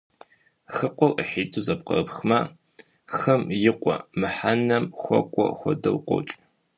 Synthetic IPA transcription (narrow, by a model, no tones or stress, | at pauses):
xɨqʷɔrəħiːtʼuzɐp̚qɐ̰rpxma | xɐmjɪqʷʼɔ̰mɨħanɐmxʷɔ̰kʷʼɔ̰xʷɔdɐwqʷɔ̰t͡ʃʼ